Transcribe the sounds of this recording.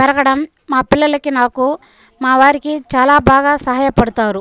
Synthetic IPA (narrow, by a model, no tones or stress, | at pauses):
bɐɾɐɡɐɽɐmː | aːpilːɐlɐkːinaːku | maːʋaːɾikit͡ʃaːlaːbʱaːɡasɐɦaːjɐpɐɽut̪aːɾu